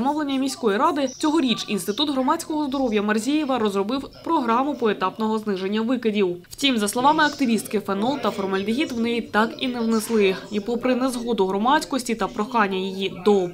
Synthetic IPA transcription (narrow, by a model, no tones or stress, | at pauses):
mɔʋlˠe̞nʲːɐmʲijsʲkɔjiɾɑd̪ɪt͡sʲɔɦɔɾʲit͡ʃḭnst̪ɪt̪ud̪ɦɾɔmat͡sʲkɔɦɔzd̪ɔɾɔwjɐmɐrzʲijɛʋɐɾɔzrɔbɪwpɾɔɦɾɑmʊpɔet̪ɑpnɔɦɔznɪʒe̞nʲːɐʋɪkɪdʲiwwt͡sʲimzɐslˠɔʋɑmɪɐkt̪ɪʋʲist̪̚kɪfɛnɔlˠt̪ɐfɔrmɐlʲd̪ɪɦʲit̪ʋnɛit̪ɑkinɛwnɛslˠɪipɔpɾɪnɛzɦɔd̪ʊɦɾɔmɑt͡sʲkɔsʲtʲit̪ɐpɾɔxɑnʲːɐjijid̪ɔ